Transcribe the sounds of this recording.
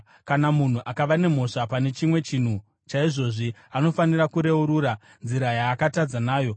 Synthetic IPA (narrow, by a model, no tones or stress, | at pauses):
kanamun̤uʔakaʋane̞m̤o̞ʂapane̞t͡ʃimwe̞t͡ʃiːn̤u | t͡ʃaiʐo̞ʐiano̞fanirakuɾe̞uɾuːɾa | nziɾajaːkatad͡zanaːjo̞